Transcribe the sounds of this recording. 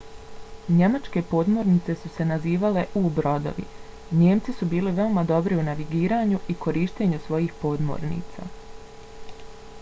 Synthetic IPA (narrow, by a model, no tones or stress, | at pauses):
ɲe̞mat͡ʃke̞po̞ːd̪mo̞ɾnit̪se̞suse̞naziːʋale̞ʔubɾo̞d̪o̰ʋḭ | ɲe̞ːmt̪sisubiːliʋe̞omad̪o̞bɾiunaʋiɡiːɾaːɲuʔikʰo̞ɾiːʃt̪e̞ɲusʋo̞jiːxpo̞ːd̪mo̰ːɾnḭːt̪sa̰ː